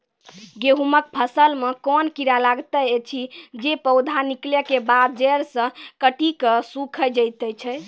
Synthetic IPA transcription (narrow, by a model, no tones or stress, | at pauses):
ɡeɦumək̚pʰəsəlmekɔnkiɾalaɡt̪əet͡ʃʰid͡ʒepəwd̪ʱanikləkebad̪̚d͡ʒəɾsə̃kəʈikəsukʰəd͡ʒəjt̪ət͡ʃʰɛ